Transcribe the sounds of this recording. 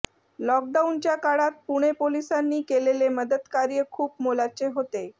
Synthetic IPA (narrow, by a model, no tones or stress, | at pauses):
lɔk̚ɖaunt͡ɕjakaɽat̪̚puɽ̃epolisanːiːkeleleməd̪ət̪kaɾjəkʰuːpmolat͡seɦot̪e